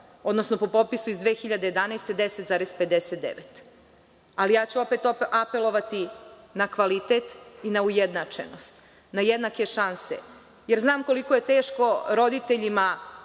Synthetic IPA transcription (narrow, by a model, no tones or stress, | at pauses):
o̞d̪nosnopo̞po̞pisuizd̪ʋeːxiʎad̪e̞je̞d̪anajst̪e̞d̪eset̪zaːɾezped̪eset̪̚d̪ḛʋet̪ | alijaːt͡ɕuo̞peːt̪oapelˠo̞ʋat̪inakʋalit̪eːt̪inaujed̪nat͡ʃḛno̞st̪ | najed̪nake̞ʃansḛ | jeɾznaːmko̞liko̞jet̪e̞ːʃko̞ɾo̞d̪it̪eʎima